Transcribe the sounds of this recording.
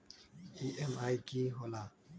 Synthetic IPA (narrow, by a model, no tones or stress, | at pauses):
iʔɛmajkiɦola